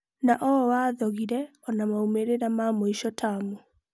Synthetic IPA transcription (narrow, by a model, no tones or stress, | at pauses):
naʔɔwaːðɔɣiɾɛ | ɔnamaumeɾeɾamamoiʃɔtʰamo